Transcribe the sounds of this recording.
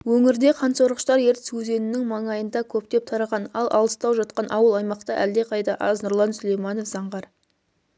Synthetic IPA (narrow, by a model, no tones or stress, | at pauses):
wɵŋɪɾd̪e̞qʰɑnso̞ɾʁəʃt̪ɑɾje̞ɾt̪ɪ̥sɵze̞nɪnɪŋmɑɴɑjənd̪ɑkʲʰɵp̚t̪e̞p̚t̪ʰɑɾɑʁɑnɑlˠʔɑ̰lˠəst̪ɑwʒɑt̪̚qɑnʔɑwəlˠɑjmɑqt̪əʔæld̪e̞qʰɑjt̪ɑʔɑ̰znʊɾlˠɑnsʏle̞jmɑno̞fz̥ɑɴʁɑɾ